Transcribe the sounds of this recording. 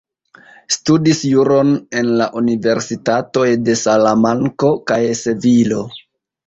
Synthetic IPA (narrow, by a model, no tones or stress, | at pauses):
studisjuɾo̞ne̞nlaʔunive̞ɾsitato̞jde̞salamaŋko̞kajse̞vilo̞